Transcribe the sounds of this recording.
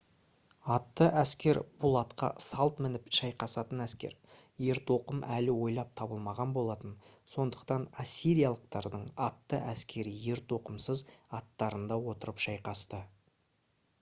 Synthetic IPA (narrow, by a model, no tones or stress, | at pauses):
ɑt̪ːəʔæskʲe̞ɾb̥ʊlˠɑt̪qɑ̰sɑlˠt̪mɪnɪpʃɑjqɑsɑt̪ənæskʲe̞̰ɾ | je̞ɾt̪o̞qəmʔælɪwo̞jlˠɑp̚t̪ʰɑbəlˠmɑʁɑnbo̞lˠɑt̪ənso̞nd̪əqt̪ɑnasʲːiɾijɑlˠəq̚t̪ɑɾd̪əɴɑt̪ːəʔæskʲe̞ɾɪje̞ɾt̪o̞qəmsəzɑt̪ːɑɾənd̪ɑwo̞t̪əɾəpʃɑjqɑst̪ə